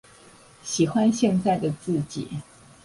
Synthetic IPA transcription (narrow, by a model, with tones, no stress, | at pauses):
ɕi˨˩xwa˦nɕjɛ˥˧nt͡sa˥˩ɪd̪ə˩t͡sɹ̩˥˩t͡ɕḭ˨˩˦